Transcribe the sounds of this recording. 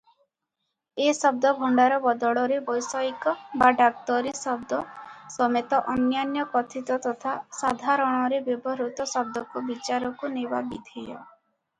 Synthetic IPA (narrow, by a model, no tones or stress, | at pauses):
esɔb̚d̪ɔbʱɔɳɖaɾɔbɔd̪ɔɽɔɾebɔjsɔjkɔbaɖak̚t̪ɔɾisɔbd̪ɔsɔmet̪ɔʔɔnjanjɔkɔt̪ʰit̪ɔt̪ɔt̪ʰasad̪ʱaɾɔɽ̃ɔɾebjebɔɾut̪ɔsɔb̚d̪ɔkɔbit͡ʃaɾɔkuneba̰bid̪ʱejɔ̰